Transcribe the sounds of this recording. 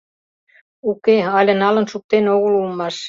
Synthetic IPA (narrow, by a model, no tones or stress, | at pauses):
ukeɑlʲə̆nɑlɤ̆nʃuk̚t̪ːenoɣulumːɑʃ